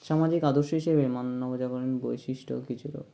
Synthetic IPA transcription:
ʃamad͡ʑikad̪oɾʃoɦiʃebemanːɔbod͡ʑakɔɾenbojʃiʃʈʰo̰kit͡ɕʰuʈa̰

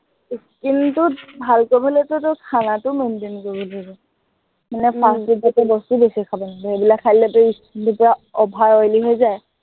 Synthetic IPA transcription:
iskintʊbʱalkobʱalɛtʊtʊkʰanatʊmentinkobɔlaɡɛ | manɛpʰastitatɛbɔstubesikʰabɔnadiebilakʰːajlɛtʊiskintupɔɹaɔbʱajɔjliɦojzaj

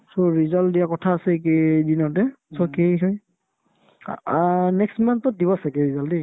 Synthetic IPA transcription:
sɔɹizɔldijakɔtʰaːsɛkedinɔtɛsɔkeɦɔj | nɛkstmantːɔt̚dibɔsakɛɹizɔldi

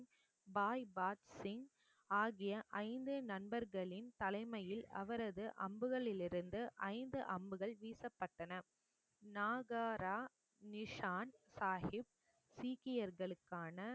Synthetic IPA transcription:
baːjbaːʈsɪŋ | aːɣɪjɐʔɐɪnd̪ɯnɐnbɐɾɣɐɭɪnt̪ɐlɐɪmɐjɪlɐ̰ʋɐɾɐðɯʔɐmbɯɣɐɭɪlɪɾɯnd̪ɯʔɐɪnd̪ɯʔɐmbɯɣɐɭʋiːsɐpːɐʈːɐnɐ | naːɣaːɾaː | nɪʂaːnsaːhɪb̚ | siːkɪjɐɾɣɐɭɯkːaːnɐ

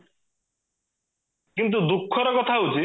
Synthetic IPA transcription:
kint̪̬ud̪ukʰːɔɾɔkɔt̪ʰaut͡ʃi

